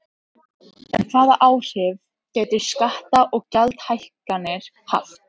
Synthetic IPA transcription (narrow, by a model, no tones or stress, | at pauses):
ɛnθaːða̰ʔaːwr̥ɪv | cɛːt̪ɪ̥skaht̪aʔɔɣcalt̪hajhkanːɪɾ̥ | ha̰ft̪